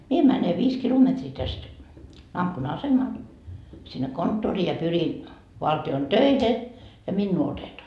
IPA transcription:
mie mæne ʋiːs kilometriː tæst ɑsemɑl sinːe kontːoriː jɑ pyrin ʋɑltion tøihe jɑ minːuː otetoɑ

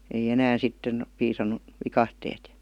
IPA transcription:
ei enæːn sitːen piːsɑnːu ʋikɑhteːt

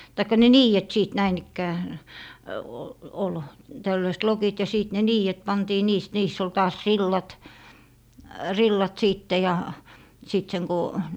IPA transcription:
tɑikːɑ ne niːjet siˑt næin ikːæː o ol tælːøist lokit jɑ siˑt ne niːjet pɑntiː niːst niːsː ol tɑːs rilːɑt rilːɑt siˑtːe jɑ siˑt seŋ ko

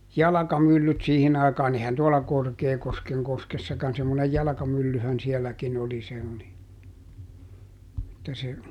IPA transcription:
jɑlɑkɑmylːyt siːhin ɑikɑːn ehæn tuolɑ korkeːkoskeŋ koskesːɑkɑn semːonej jɑlɑ̆kɑmylːyhæn siɛlːækin oli se oli etːæ se

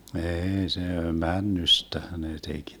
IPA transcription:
eːi se mænːystæhæ neː tek

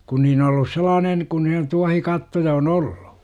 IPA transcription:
kun niːn olːus selɑːnen kun ne tuɑhikɑtːojɑ on oll̥u̥

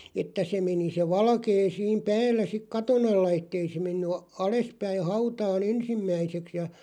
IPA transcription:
etːæ se meni se ʋɑlkeː siːm pæːlːæ sik kɑton ɑlːɑ etːei se menːy ɑ ɑlespæih̆ hɑutɑːn ensimːæiseks jɑ

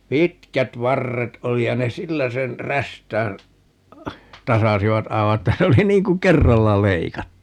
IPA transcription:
pitkæt ʋɑrːet oli jɑ ne silːæ sen ræstæːn tɑsɑsiʋɑt ɑiʋɑ etːæ se oli niːŋ ku kerːɑlːɑ leikɑtːu

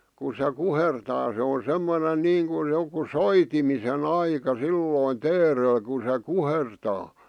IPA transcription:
ku se kuhertɑː se o semːonen niːŋkuj joku soitimisen ɑikɑ silːoˑĭn teːrel ku se kuhertɑː

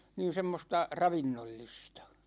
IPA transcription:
niːn̞ semːostɑ rɑʋinːolːistɑ̥

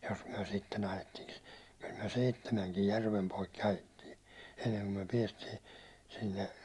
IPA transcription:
jos myæ̹ sitːen ɑjetːiŋki kyl myæ̹ seitːemæŋkij jærʋem poikːi ɑjetːiː enːeŋko myæ̹ piɛstiː sinːe

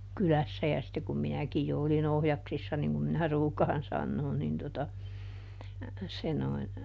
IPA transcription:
kylæsːæ jɑ sitːe kum minækij jo olin ohjɑksisːɑ niŋ kum minæ ruːkɑːn sɑnːoːn nin totɑ se noin

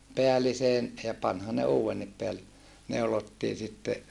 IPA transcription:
peæliseːn jɑ pɑnhɑn ne uːwenːip peæl neulotːiː sitːe

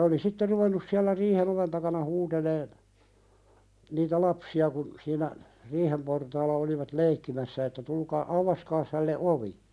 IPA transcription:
oli sitːe ruʋenːus siælːæ riːhen oʋen tɑkɑnɑ huːteleːn niːtæ lɑpsiɑ kun siːnæ riːhem portɑːlːɑ oliʋɑt leikːimæsːæ etːæ tulkɑː ʔɑuʋɑskɑːs hælːe ʔoʋi

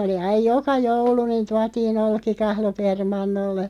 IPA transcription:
oli ɑij̆ jokɑ joulu niːn̞ tuɑtiːn olkikɑhlo permɑnːolːe

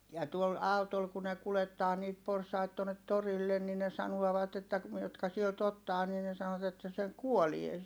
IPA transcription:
jɑ tuol ɑutol ku ne kuletːɑː niːt porsɑit tuonːet torilːen ni ne sɑnuɔʋɑt etːæ ku jotkɑ sielt otːɑː niː ne sɑnot etːæ se kuolie

